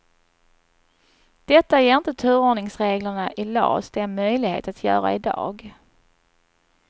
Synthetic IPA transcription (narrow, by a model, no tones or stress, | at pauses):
d̪̥ɛt̪ːajeːɾɪnt̪ət̪ʰʉ̟ːɾoːɳɪŋsɾeːɡləɳaʔɪlɑ̰ːsd̪ɛɛnmœjlɪɡhḛːt̪at̪ʰjœ̰ːɾa̰ɪd̪ɑ̰ːɡ